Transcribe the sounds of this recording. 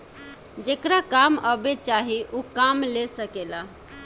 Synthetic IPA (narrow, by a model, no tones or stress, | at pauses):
d͡ʒekɾakaməbet͡ʃaɦiʔukamlesəkela